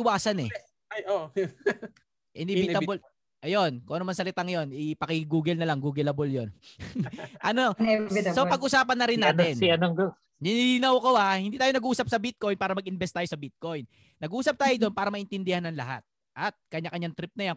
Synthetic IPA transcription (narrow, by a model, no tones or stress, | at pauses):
ɪwaːsɐnɛ | jo | ʔɪnɛvɪt̪abl | ʔɐjo̞nkoʔɐnomɐŋsɐlɪt̪aŋjo̞nɪpɐkɪɡuːɡɪlnɐlaŋɡuːɡɪlɐboljon | ʔɐnoɛsopɐɡʔʊsaːpɐnːɐɾɪnːaːt̪ɛniɐnɐŋɡ̪o | nɪnilɪnɐwkohahɪ̃nd̪iːt̪aːjonɐɡʔuːsɐp̚sɐbɪt̪̚ko̞jnpaːɾɐmɐɡʔɪnbɛst̪aːjosɐbɪt̪̚ko̞jnː | ɐɡʔuːsɐp̚t̪aːjod̪o̞npaːɾɐmɐʔɪnt̪ɪnd̪ɪhanːɐŋlɐɦa̰t̪̚ | ʔɐt̪̚kɐɲːakɐɲːaŋt̪ɾɪp̚nɐja